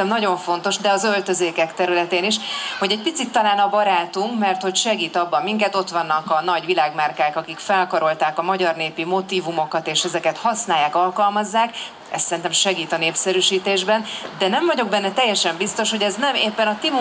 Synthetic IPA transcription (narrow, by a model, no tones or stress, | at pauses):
ɛmnɒɟo̞ɱfo̞n̪t̪o̞ʃd̪ɛɒzø̞lt̪ø̞zeːkɛkt̪ɛɾylɛt̪eːniʃho̞ɟɛɟ̚pit̪sit̪ːɒlaːnɒbɒɾaːt̪uŋkmɛrt̪ho̞cʃɛɡiːt̪ɒbːɒmːiŋkɛt̪o̞t̪ʋɒnːɒkɒnɒɟʋilaːɡmarkaːkɒkikfɛlkɒɾo̞lt̪aːkɒmɒɟɒrneːpimo̞t̪iːvumo̞kɒt̪eːʃɛzɛkɛt̪hɒsnaːjːaːkɒlkɒlmɒzːaːk | ɛ̰st̪sɛɾint̪ɛmʃɛɡiːt̪ɒneːpsɛɾyːʃiːt̪eːʒbɛnd̪ɛnɛɱvɒɟo̞ɡ̚bɛnːɛt̪ɛjːɛʃɛmbist̪o̞ʃho̞ɟɛznɛmeːpːɛnɒt̪im